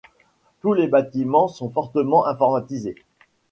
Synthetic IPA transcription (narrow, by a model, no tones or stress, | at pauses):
t̪ulebat̪imɑ̃sɔ̃fɔʁt̪əmɑ̃ʔɛ̃fɔʁmat̪ize